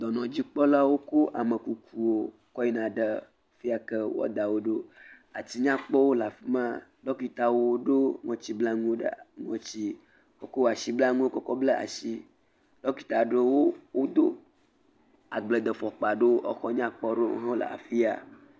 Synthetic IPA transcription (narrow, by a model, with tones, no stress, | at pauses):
d̪ɔ˨nɔ̃˨d͡ʑi˦k͡pɔ˦la˦wo˦ko˦ʔa˨mə˨ku˨ku˨wo˦ | kɔ˦i˦nã˨ɖə˦˨ | fi˦a˨kə˦wɔ̰˦d̪a˨wo˦ɖo˦ | a̰˨t̪i˦ɲã˦k͡pɔ˦wo˦la˨fi˦mã˦ɖɔ˦ku˦i˦t̪a˨wo˦o˦ɖo˦ŋɔ̃˨˦t͡ɕi˦bla˦ŋũ˦wo˦ɖə̰˨ŋɔ̰̃˨t͡ɕi˦ | wo˦ko˦wa˨ʃi˦bla˦ŋũ˦wo˦kɔ˦kɔ˦blə˦a̰˨si˦ | ɖ̥ɔ˦ku˦i˦t̪a˨ɖə˦wo˦wo˦d̪o˦ | a˨ɡ͡blə˨d̪ə˨fɔ˨k͡pa˨ɖe˦wo˦ʔɔ˦xɔ˦ɲã˦k͡pɔ˦ɖo̰˦ɦɔ̃˦lə̰˨ʔa̰˨fi˦a̰˨